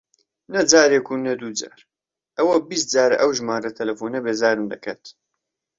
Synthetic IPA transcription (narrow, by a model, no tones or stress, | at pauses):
nɐd͡ʒaːɾeːkʰuːnɐd̪uːd͡ʒa̰ːɾ | ʔɐwɐbist̪̚d͡zaːɾʔɐwʒmaːɾɐt̪ʰɐlɐfuːnɐbeːzaːɾɨmd̪ɐkʰat̪